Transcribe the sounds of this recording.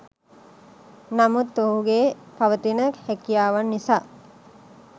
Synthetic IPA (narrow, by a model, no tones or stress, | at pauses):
nɐmut̪ːoɦuɡeːpɐʋət̪inəkhekijaːʋanːisaː